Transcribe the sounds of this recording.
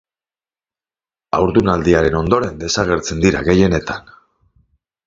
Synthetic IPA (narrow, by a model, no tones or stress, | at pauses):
awɾðunald̪iaɾe̞no̞nd̪o̞ɾe̞nd̪e̞saɣe̞ɾt͡se̞nd̪iɾa̰ɣe̞je̞ne̞t̪an